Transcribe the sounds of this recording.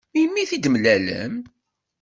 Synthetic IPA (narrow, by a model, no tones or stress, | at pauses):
imːiθid̪mlælə̰m